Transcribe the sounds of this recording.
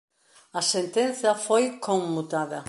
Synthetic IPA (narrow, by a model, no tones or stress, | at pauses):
ɐsent̪en̟θjɐfojkoŋmut̪aðɐ